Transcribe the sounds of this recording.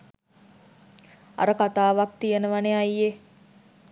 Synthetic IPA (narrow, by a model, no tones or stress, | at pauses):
a̰ɾəkat̪aːʋak̚t̪ijenəʋaneajːe